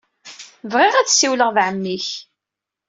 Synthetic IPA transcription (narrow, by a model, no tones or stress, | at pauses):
vʁiʁæt͡ssiwləʁðʕəmːiç